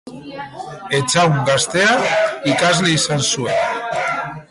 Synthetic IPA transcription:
e̞t͡sawŋɡast̪e̞aikazliisansue̞n

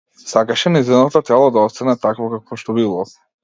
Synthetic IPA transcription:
sakaʃɛnizɛnat̪at̪ɛlˠad̪aɔst̪anɛt̪akvɔkakvɔʃt̪ɔbilˠɔ

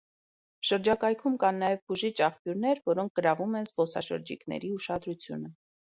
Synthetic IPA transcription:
ʃəɾd͡ʒɑkɑjkʰumkɑnːɑjɛvbuʒit͡ʃʰɑχpjuɾnɛɾvɔɾɔŋk̚ʰɡ̥əɾɑvumɛnzpɔsɑ̰ʃə̰ɾd͡ʒḭknɛ̰ɾiuʃɑd̪ɾut͡sʰjṵnə

